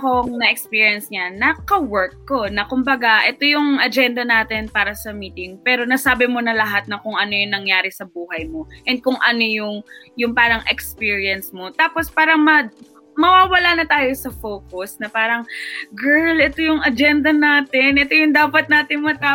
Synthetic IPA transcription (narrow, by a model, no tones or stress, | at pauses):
koŋnɐʔɛkspiːɹijɐnsɲɐnɐkɐwɛɹkːo̞nɐkʊmbɐɡaʔɛt̪o̞jʊŋɐd͡ʒɛnd̪ɐnaːt̪ɪnpaːɾɐsɐmiːt̪ɪŋpɛːɾo̞nɐsaːbɪmo̞nɐlɐɦat̪̚nɐkʊŋɐno̞jʊŋnɐŋjaːɾɪsɐbuːɦɐjmo̞ʔɛn̚kʊŋʔɐno̞jʊŋjʊŋpaːɾɐŋʔɛkspiːɹiɐnsmo̞t̪aːpo̞spaːɾɐŋmɐ | mɐwaːwɐlanɐt̪aːjo̞sɐfoːkʊsnɐpaːɾɐŋɡɛɹlʔɛt̪ojʊŋɐd͡ʒɛnd̪ɐnaːt̪ɪnʔɛt̪o̞jʊŋd̪aːpɐt̪̚naːt̪ɪŋmɐt̪aː